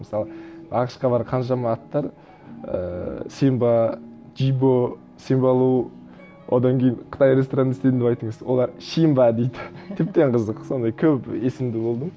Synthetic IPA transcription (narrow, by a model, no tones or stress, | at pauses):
məsɑlˠəɑqə̥ʃqɑbɑɾqʰɑnʃɑmɑːt̪ːɑɾ | ə̰sembɑd͡ʒibo | sembɑlˠuə | wʔod̪ɑŋkʲʰejɪnqʰə̥t̪ɑjɾest̪oɾanɪst̪eɪnd̪epɑjt̪əɴəzwo̞̰lˠɑɾʃijmbɑd̪e̞jd̪ɪt̪ʰep̚t̪e̞ɴqʰəzəqso̞nd̪ɑjkʲʰɵpesɪmd̪ɪbo̞lˠd̪əm